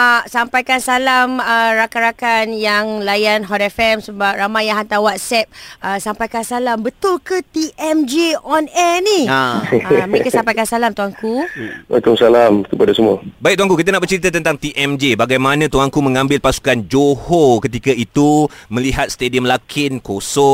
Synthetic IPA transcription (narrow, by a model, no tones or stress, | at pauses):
asampajkansalaməɾakanɾakanjaŋlajanɦɔtɛfɛmsəbap̚ramajãɦant̪awat̪̚sɛp̚əsampajkansalambət̪ʊlkət̪iʔɛmd͡ʒeɔnɛniaaməekasampajkansalamt̪uaŋkuwa̰k̪aŋsalamkəpadasəmua̰baik̚t̪uwãŋkukit̪anaʔbəɾt͡ʃəɾit̪at̪ənt̪aŋt̪iʔɛmd͡ʒebaɡajmãnãt̪uaŋkumə̃ŋãmbɪlpasu̥kand͡ʒohokət̪ikait̪umə̃liɦat̪̚st̪ediəmlakʰɪnkosɔ